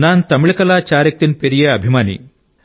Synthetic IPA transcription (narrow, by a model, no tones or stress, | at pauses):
naːnt̪ɐmiɭikɐlaːt͡ʃaːɾjɐk̚t̪inpeɾijeɐbʱimaːnḭ